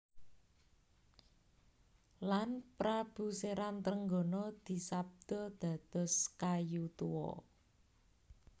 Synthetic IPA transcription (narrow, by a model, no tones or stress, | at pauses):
lanpɾab̥ṳseɾant̪ɾəŋɡonɔd̪̥i̤sab̚d̪̥ɔ̤d̪̥ä̤d̪̥ɔ̤skajut̪uwɔ̰